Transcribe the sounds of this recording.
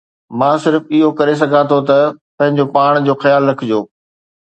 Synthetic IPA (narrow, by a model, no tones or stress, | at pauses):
mãːsɪɾfɪɦokɐɾes̬ɐɡʱãt̪ʰot̪ɐpɐ̃ɦɪ̃ɲd͡ʑopaːɽ̃d͡ʑoːxɐjaːlːɐkʰɪd͡ʑoː